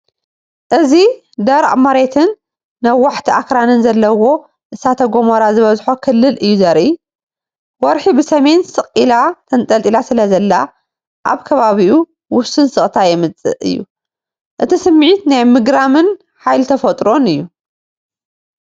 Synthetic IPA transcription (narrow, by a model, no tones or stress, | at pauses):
ʔɨzi | d̪ɐɾʔʼmaɾet̪ʰɨnː | ɐwːaħt̪ʰiʔakɾanɨnzɐlːɐwo̞ | ʔɨsat̪ʰɐɡomɐɾazɨβɐzħokʰɨlːɨlʔɨjːuzɐɾi | wɔɾħibɨsɐme̞nsɨχʼilat̪ʰɐnt̪ʼɐlt̪ʼilasɨlɐzɐlːa | ʔa̰βkʰɐβaβiʔu | wʊsɨnsɨχʼt̪ʰajɛmɨt͡sʼɨ̰ʔɨ̰jːṵ | ʔɨt̪ʰisɨmːʕit̪najmɨɡɾamɨn | ħajlt̪ʰɐfɐt̪ʼɾo̞nɨjːu